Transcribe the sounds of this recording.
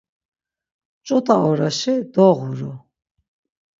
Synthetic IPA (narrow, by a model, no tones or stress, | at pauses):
t͡ʃʼɔt̪ʼaɔɾaʃɛd̪ɔʁuɾɔ